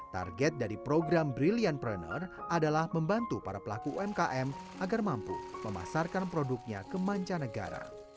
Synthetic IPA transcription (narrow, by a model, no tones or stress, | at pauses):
t̪a̰rɡɛt̪̚daɾipɾoɡɾambɾilianpɾɛnɔ̰radalahməmbant̪upaɾapəlakuoɛmkaʔɛmʔaɡarmampṵməma̰sarkanpɾoduk̚ɲakəmaɲt͡ʃanəɡa̰ɾa̰